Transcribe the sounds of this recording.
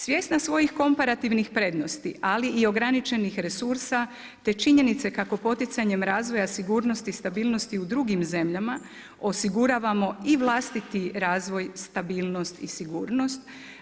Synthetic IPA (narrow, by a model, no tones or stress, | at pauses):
sʋje̞ːsnasʋo̞jixko̞mpaɾat̪iʋnixpɾe̞d̪no̞st̪ialiʔio̞ɡɾanit͡ʃe̞nixɾe̞suɾsa | t̪e̞t͡ʃiɲe̞nit̪se̞kako̞po̞t̪it̪saɲe̞mɾaːzʋo̞jasiɡuːɾno̞st̪ist̪abiːlno̞st̪iud̪ɾuɡimze̞mʎama | o̞siɡuɾaːʋamo̞iʋlˠaːst̪it̪iɾaːzʋo̞jst̪abiːlˠno̞st̪isiɡuːɾno̞st̪